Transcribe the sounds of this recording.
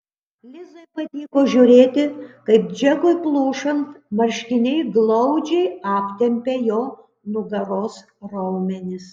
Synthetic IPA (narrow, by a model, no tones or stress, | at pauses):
lʲɪzɐɪpɐd̪ʲiːkoːʒʲuːɾʲeːt̪ʲɪkɐɪp̚d͡ʒʲɛɡoɪplˠuːʃɐnt̪mɐɾʲʃʲkʲɪnʲɛɪɡlˠɐʊd͡ʒʲɛɪɑːpʲt̪ʲɛmʲpʲeːjoː | nʊɡɐɾoːs | ɾɐʊmʲɛnʲɪs